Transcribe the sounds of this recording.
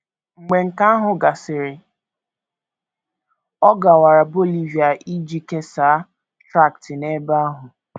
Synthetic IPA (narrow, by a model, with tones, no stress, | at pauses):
ŋ͡m̩˨ɡ͡be˨ŋ̩˨ka˦a˦ɦʊ˨ɡa˨sɪ˨ɾɪ˨ | ɔ˦ɡa˨wa˨ɾa˨bo˦li˦vja˨ʔi˦d͡ʒi˦ke˦saː˨˦ | tɾa˦˨ktɪ˨ne˦ba˦ɦʊ˨